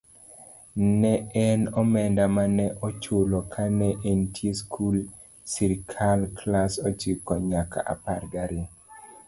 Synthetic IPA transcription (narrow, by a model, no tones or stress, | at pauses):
nɛɛnɔmɛndamanɛʔot͡ʃolokʰanɛʔentʰjeskʰul | siɾkʰalklasɔt͡ʃikɔɲaka̰ʔa̰parɡaɾɪ